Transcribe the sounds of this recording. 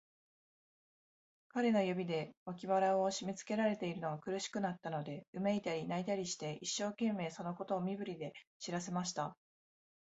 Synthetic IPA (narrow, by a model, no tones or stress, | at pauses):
kaɾe̞no̞jobʲid̪e̞βakʲiβaɾaoɕimʲit͡sɨ̥ke̞ɾaɾe̞t̪e̞iɾɯno̞ɡakɯ̟ɾɯ̟ɕi̥kɯ̟nat̪ːano̞d̪e̞ɯ̟meit̪aɾʲinait̪aɾʲiɕi̥t̪e̞ʔiɕːo̞ːkẽ̞mːe̞ːso̞no̞ko̞t̪o̞ːmʲibɯ̟ɾʲid̪e̞ɕiɾase̞maɕi̥t̪a